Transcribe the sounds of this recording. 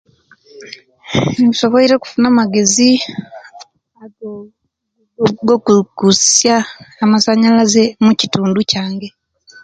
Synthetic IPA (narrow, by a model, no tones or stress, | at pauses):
ŋiso̞βoiɾeku̥funamaɡe̞zi | ao | ɡokukusjaːmasaɲalazemucituːnducaːŋɡe̞